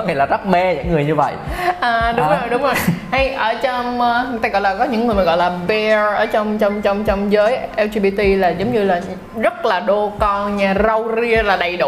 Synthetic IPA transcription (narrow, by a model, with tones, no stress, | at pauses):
ɔ˦ŋa˨˩jlaː˨˩za˦˥k͡p̚mɛ˧ɲa̰˧˥ŋːɨ˨˩əjɲɨ˧və̰˧˨jʔaː˨˩ɗʊ˨ŋ͡mzo˨˩jɗʊ˨˦ŋ͡mo˨˩jha˧jʔəː˧˩t͡ɕɔ˧ŋ͡mʔːɨ˨˩t̪aː˧˩ɣɔ̰˧˨jlaː˨˩kɔ˨˦ɲɨ̰˧˥ŋɨ˨˩jmə˨˩ɣɔ̰˧˨jlaː˨˩ɓɛ˧ʔəː˧˩t͡ɕɔ˧wŋ͡mt͡ɕɔ˧wŋ͡mt͡ɕɔ˧wŋ͡mt͡ɕɔ˧wŋ͡mzəː˨˦jʔɛ˧wzi˧ɓi˧t̪i˧laː˨˩zə˨˦wŋ͡mɲɨ˧laː˨˩ | zə˦˥t̚laː˨˩ɗo˧kɔ˧ɲaː˧˩zə˧wzi˧əlaː˨˩ɗa˨˩jɗʊ̰˧˩